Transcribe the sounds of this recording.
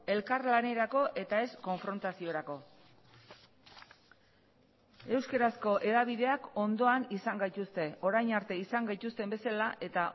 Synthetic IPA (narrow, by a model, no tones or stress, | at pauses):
e̞lkaɾlane̞ɾako̞ʔe̞t̪ae̞sko̞ɱfɾo̞nt̪asio̞ɾako̞ | e̞wskeɾasko̞ʔe̞ðaβ̞iðe̞ako̞nd̪o̞anisaŋɡajt̪ust̪e̞o̞ɾajnaɾt̪e̞isaŋɡajt̪ust̪e̞mbe̞salaʔe̞t̪a